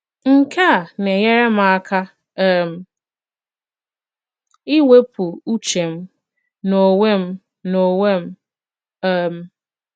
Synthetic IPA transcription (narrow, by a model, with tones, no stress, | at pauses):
ŋ̩˦ka˦a˨ne˨je˦ɾe˦m̩˦a˦ka˦˨ | m̩˨ | i˦we˦pʰu˨u˦t͡ʃe˨m̩˦ | no˨we˦m̩˦ | no˨we˦m̩˦ | ɛ˦˨m̩˨